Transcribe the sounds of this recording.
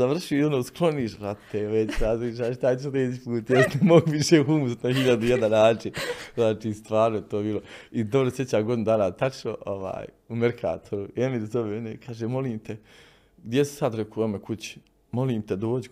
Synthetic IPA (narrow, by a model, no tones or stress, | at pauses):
aʋr̩ʃionoːsklˠo̞niːʃɾat̪eʋet͡ɕsad̪iʃ̬aʃt̪at͡ɕeɾeːd͡ʑipuːt̪jesnemoɡuʋiʃeːxumust̪nahiʎad̪ujed̪anaːt͡ʃinznaːt͡ʃiːst̪ʋaːɾnojet̪oːbiːlˠo̞id̪o̞bɾosje̞t͡ɕaːɡod̪inud̪aːnat̪at͡ʃnoʔoʋa̰ːj | umeɾkʰa̰ːt̪ʰoɾuemiɾzoʋeonekʰaːʒeːmo̞liːmt̪e | ɡd̪ʲjesu̥sad̪ɾekoomekut͡ɕi̥ | mo̞liːmt̪ed̪o̞ːd͡ʑi